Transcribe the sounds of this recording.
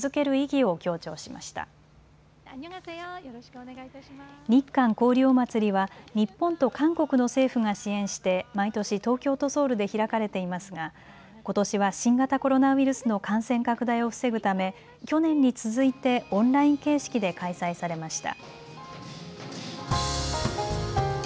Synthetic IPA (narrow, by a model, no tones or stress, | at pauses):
ɨzɨke̞ɾɯ̟iɡʲio̞kʲo̞ːt͡ɕo̞ːɕima̰ɕi̥t̪a̰ | ɲ̟ikːãŋko̞ːɾʲjo̞ːmat͡sɨɾʲiβaɲ̟ipːõ̞nt̪o̞kãŋko̞kɯ̟no̞se̞ːɸɯ̟ŋaɕiẽ̞ɰ̃ɕi̥t̪e̞mait̪o̞ɕit̪o̞ːkʲo̞ːt̪o̞so̞ːɾɯ̟d̪e̞çiɾakaɾe̞t̪e̞imasɨɡa | ko̞t̪o̞ɕiβaɕĩŋɡat̪ako̞ɾo̞naiɾɯ̟sɨno̞kãɰ̃sẽ̞ŋkakɯ̟d̪aio̞ɸɯ̥se̞ɡɯ̟t̪ame̞ | kʲo̞nẽ̞ɲ̟ːit͡sɨzɨit̪e̞õ̞nɾaĩŋke̞ːɕi̥kʲid̪e̞kaisaisaɾe̞maɕi̥t̪a̰